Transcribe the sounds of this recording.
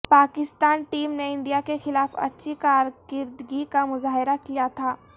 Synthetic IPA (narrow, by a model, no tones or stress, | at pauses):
paːkɪst̪aːnʈiːmneɪ̃ɳɖijakexɪlaːfɐ̰tːʃʰikaːɾkɪɾd̪ɡikamʊzaːɦɪɾakijat̪ʰaː